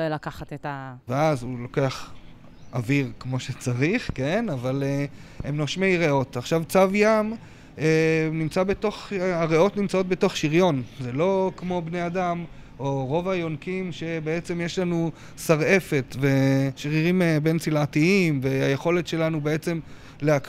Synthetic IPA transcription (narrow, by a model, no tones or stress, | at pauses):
ojlakaχatetaveazulo̞ke̞aχ | ʔaviʁkmo̞ʃe̞t͡saʁiχke̞navalehemnoʃmejʁeo̞taχʃavt͡savjam | enimt͡sabeto̞χaʁeo̞t̪nimt͡sao̞t̪̚beto̞χʃiʁjo̞nzelo̞kmo̞bne̞jadam | oʁo̞vajo̞nkimʃe̞beet͡se̞mjeʃlanu | saʁe̞fe̞tve̞ʃʁiʁimebe̞nt͡silʕatiimveajeχo̞le̞tʃe̞lanube̞e̞t͡se̞m | leak